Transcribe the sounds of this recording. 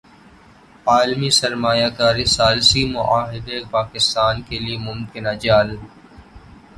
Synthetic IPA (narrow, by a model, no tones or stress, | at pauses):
aːlmisɐɾmaːjaːkaːɾisaːlsimʊʔaːɦɪd̪epaːkɪst̪aːnkeliemʊmkɪnad͡ʒaːl